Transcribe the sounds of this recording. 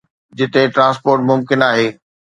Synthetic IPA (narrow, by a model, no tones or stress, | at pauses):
d͡ʑɪt̪eʈɾãːspoːɾʈmʊmkɪnaːɦeː